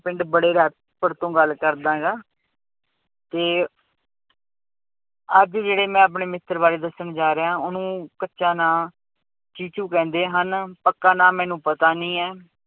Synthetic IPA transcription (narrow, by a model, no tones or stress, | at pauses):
pɪɳɖbəɽeːɾɛː | pəɽt̪õːɡəlːkəɾd̪ãːɡaː | t̪eː | əd͡ʒd͡ʒeːɽeːmɛ̃ːəp̬ɳeːmɪt̪ːəɾbaːɾeːd̪əsəɳd͡ʒaːɾeːãːʊnũːkətːʃãːnãː | t͡ʃiːt͡ʃuːkɛ̃ːnd̪eːɦənpəkːaːnãːmɛːnũːpət̪aːnĩːɛː